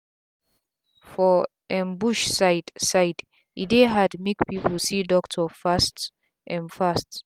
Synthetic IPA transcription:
fɔ | ʔɛ̃nbuʃsaɪdsaɪd | ʔideɦadmikpʰipəlsidɔktʰɔfast | ʔɛ̃nfast

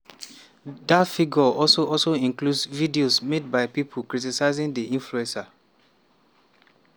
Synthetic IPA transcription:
datfiɡɔɔlsoʔɔlsoĩŋkludsvidiosmed̚baɪpipʰokɹitisaɪzĩŋdiĩnfluɛ̃nsa

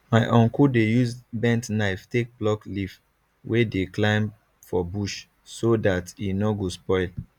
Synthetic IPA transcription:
maɪʔɔ̃ŋkudejuzbɛ̃ntnaɪftek̚blɔklif | wʔedeklãɪ̃m | fɔbuʃ | sodatinɔɡospɔɪl

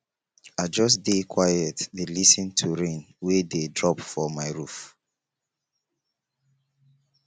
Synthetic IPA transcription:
aɪd͡ʒɔs̬dekʰwajɛtðelisĩntʰuɹẽn | wededɹɔpfɔmaɪɹuf

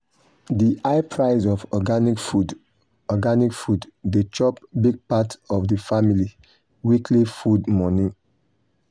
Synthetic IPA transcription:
diʔaɪpʰɹaɪzɔfɔɡanikfud | ɔɡanikfudːet͡ʃɔp̚biɡ̚patɔvdifamili | wikʰlifudmɔ̃nĩ

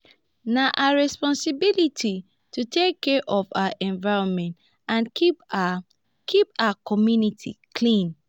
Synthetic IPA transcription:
naʔaɹɛspɔ̃nsibilitʰi | tʰutʰekʰːɛʔɔfawaʔɛ̃ɱvaɪɹɔ̃nmɛ̃nt | ãn | kʰipawakʰɔmjunitʰikʰlĩn

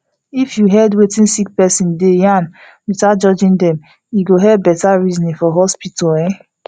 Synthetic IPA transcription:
ifjuɦɛdwetĩnsik̚pɛsĩndejãn | ɹitad͡ʒɔd͡ʒĩndɛ̃m | jiɡoɦɛbɛtaɹizɔnĩfɔɦɔspitɔɛ̃

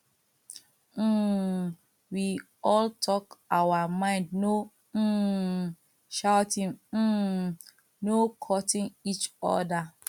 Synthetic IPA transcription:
wi | ɔltʰɔkawamãɪ̃ndno | ʃaʊtĩn̩ | nokʰɔtĩnit͡ʃɔ̰da

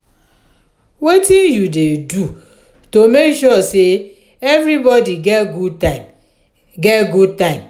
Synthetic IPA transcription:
wetinjudedu | tomekʃɔse | evɾibɔdiɡɛtɡutam | ɡɛtɡud̚tãɪ̃m

